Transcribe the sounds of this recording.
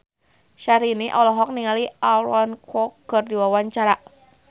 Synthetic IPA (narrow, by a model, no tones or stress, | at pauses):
ʃaɾiniʔɔlɔɦɔk̚niŋalialankʰɔkːɨrdiwawaɲt͡ʃaɾa